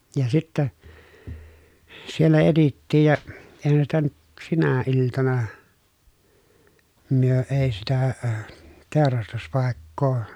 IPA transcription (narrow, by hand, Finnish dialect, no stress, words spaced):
jɑ sitːæ sielːæ etitːiːj jɑ eˑi̯hæn sitæ nyt sinæ iltɑnɑ myø eˑi sitæ əː teˑorɑstuspɑˑekːoː